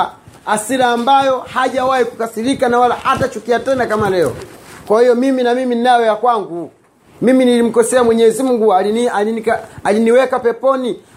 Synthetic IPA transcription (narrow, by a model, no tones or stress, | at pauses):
asiɾaːmbajɔhaʄawahikukasilikanawalahatat͡ʃukiatɛnakamalɛɔ̰kwahijɔmiminamiminnajɔjakwaŋɡu | miminilim̩kɔsɛamwɛɲɛzim̩ɡuaiankaaliniwɛkapɛpɔni